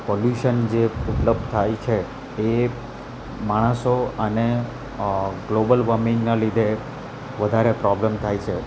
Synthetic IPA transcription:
poljuʃənd͡ʒeupləb̚d̪̚ʱt̪ʰajt͡ʃʰeː | maɽ̃əsoəne | ɡlobəlʋəmĩŋnalid̪ʱe | ʋəd̪ʱaɾepɾɔblemt̪ʰajt͡ʃʰe

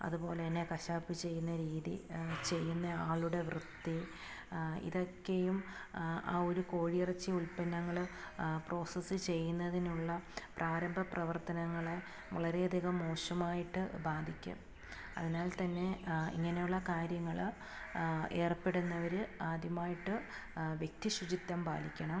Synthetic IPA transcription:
ɐ̰ðupo̞ːleɐnːe̞kɐɕaːpːɨt͡ɕe̞jːunːɐɾiːðḭt͡ɕe̞jːunːɐaːɭuɽe̞ʋrɨt̪ːi | ḭðo̞kːe̞juma̰ːo̞ɾuko̞ːɻiirɐt͡ɕːiulpɐnːɐŋːɐɭ | pro̞ːsɐsɨt͡ɕe̞jːunːɐðinuɭːɐpraːɾɐmbʱɐprɐʋɐrt̪ɐnɐŋːɐɭe | ʋɐɭɐɾe̞ɐd̪ʱiɣɐmːo̞ːɕɐmaːjiʈːɨbaːd̪ʱikʲːṵm | ɐ̰ðinaːlt̪ɐnːe̞ḭŋːɐne̞juɭːɐkaːɾjɐŋːɐɭ | e̞ːrpːe̞ɽunːɐʋɐɾɨaːd̪ʱjɐmaːjiʈːɨ | ʋjek̚t̪iɕud͡ʑit̪ːɐmba̰ːlikʲːɐɳɐm

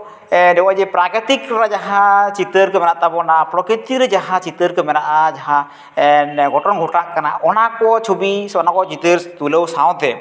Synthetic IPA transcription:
dɛwad͡ʒɛpɾakɾət̪ikɾad͡ʒaɦãt͡ʃit̪əɾkɛmɛnaʔt̪abɔnapɾɔkɾit̪iɾɛd͡ʒaɦãt͡ʃit̪əɾkəmɛnaʔad͡ʒaɦã | nɡɔʈɔnɡʱɔʈaʔkanaɔnakɔt͡ʃʰobisanakɔt͡ʃit̪əɾt̪uləwsaw̃t̪ɛ

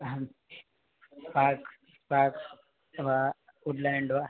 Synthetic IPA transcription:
paːɾk | paːk | ʋa | uɖlaɳɖʋa

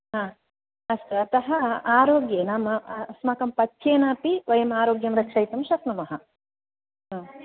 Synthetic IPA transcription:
ɦãː | ɐst̪ɐt̪ɐɦɐaːɾoːɡjenɐmɐsmɐkɐmpɐt̪ʰjeːnaːpiʋɐjɐmaːɾoːɡjɐmɾɐkʂɐjt̪ɐmʃɐsnɐmɐɦɐ | ɦaː

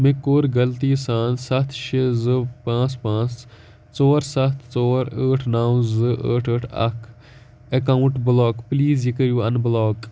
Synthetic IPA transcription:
mɪkːoːɾɡɐlt̪iːsaːnsɐt̪ʰʃizɨpãːt͡spãːt͡s | t͡soːɾsɐt̪ʰt͡soːɾəːʈʰnaːwzɨʔə̰ːʈʰəːʈʰɐ̰kʰ | ekaːuɳʈblɔːkpliːzjikəɾjuːɐnblɔːk

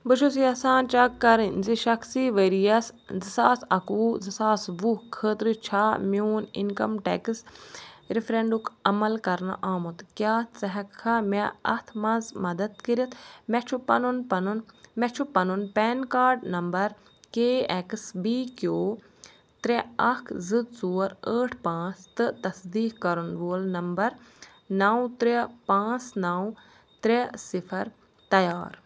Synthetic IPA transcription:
bɨʃʰusijɐsaːnt͡ʃɐkːɐɾinziʃɐksiʋɐɾijɐszisaːsɐkuːzɨsaːsʋukʰəːt̪ɾɨt͡ʃʰaːmjoːnḭnkɐmʈḛksɾifʰɾẽɳɖukʰɐmɐlkɐɾna̰ʔaːmut̪kʲjaːt͡sɐɦɐkʰɐmɛɐ̰t̪ʰmɐnzmɐd̪ɐd̪̚kiɾit̪ʰmɛt͡ʃʰupːɐnunpɐnunmɛt͡ʃʰupɐnunpɛːnkaːɾɖnɐmbɐɾ | keːeksbiːkjoː | t̪ɾɛɐkʰzɨd̪suːɾəːʈʰpãːt͡st̪ɨt̪ɐsd̪iːkkɐɾunʋoːlnɐmbɐɾ | nɐwt̪ɾepãːt͡snɐw | t̪ɾesipʰɐɾ | t̪ɐjaːɾ

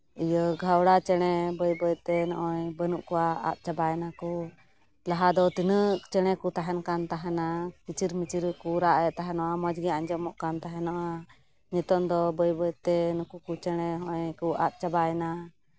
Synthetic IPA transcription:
ijəɡʱawɽat͡ʃɛɽ̃ɛbəjbəjt̪ɛnɔʔɔjbənuʔkɔwaa̰ʔ̪̚t͡ʃabajnaku | laɦad̪ɔt̪inəʔt͡ʃɛɽ̃ɛkut̪aɦɛnkant̪aɦɛnakit͡ʃiɾmit͡ʃiɾkuɾaʔɛʔt̪aɦɛnɔʔamɔd͡ʒɡɛaɲd͡ʒɔmɔʔkant̪aɦɛnɔʔa | ɲɛt̪ɔnd̪ɔbəjbəjt̪ɛnukukut͡ʃɛɽ̃ɛɦɔjkua̰ʔ̪̚t͡ʃabajna

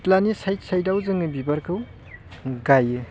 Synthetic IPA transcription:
tlanisajsajdawzɯŋɯbibɐɾkʰɯw | ɡajɯ

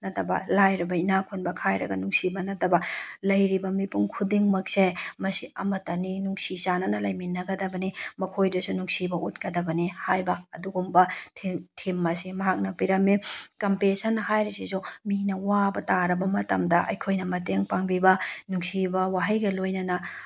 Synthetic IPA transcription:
nɐtɐbɐ̰lajɾɐbɐinakʰunbɐkʰajɾɐ̰ɡɐnuŋsibɐnɐtɐbɐlɐjɾibɐmipuŋkʰudiŋmɐk̚semɐsiɐ̰mɐtɐninuŋsisanɐnɐlɐjminːɐɡɐdɐbɐnimɐkʰojdɐsunuŋsibɐʔut̚kɐdɐbɐnihajbɐɐduɡumbɐtʰitʰimːɐsimɐɦak̚nɐpiɾɐmikɐmpesɐnːɐɦajɾisisuminɐwabɐtaɾɐbɐmɐtɐ̰mdɐʔɐ̰jkʰojnɐmɐteŋpaŋbibɐnuŋsibɐwaɦɐjɡɐlojnɐnɐ

